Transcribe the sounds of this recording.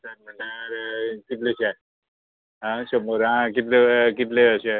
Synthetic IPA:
səɾm̤əɳʈaɾkit̪leɕɛ | ɦãɕəmoɾãkit̪lekit̪leəɕe

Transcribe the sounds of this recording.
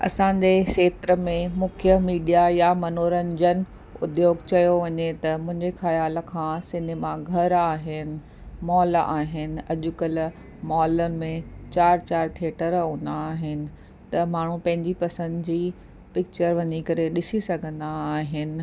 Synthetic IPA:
ɐ̰sãːɲd͡ʑeseːt̪ɾə̆mẽmʊkʰjəmiːɖijajamɐnoːɾənɪ̆d͡ʑənɪ̆ | ʊ̰d̪joːɡt͡ɕɐjoʋɐɲet̪ɐmʊ̃ɦɪ̃ɲd͡ʑexɐjaːl̆kʰãːsɪneːmaɡʱɐɾaːɦɪnɪ̆ | mɔːlaːɦɪnɪ̆ɐʄʊkəl | mɔːlənɪ̆mẽt͡ɕaːɾt͡ɕaːɾt̪ʰeːʈəɾɦũːnd̪aːɦɪnɪ̆ | t̪ɐmaːɳ̤ũpɐ̃ɦɪ̃ɲd͡ʑipɐsə̃nd̪d͡ʑiː | pɪk̚t͡ɕəɾʋɐɲikɐɾeɗɪsisɐɡʱə̃nd̪aːɦɪnɪ̆

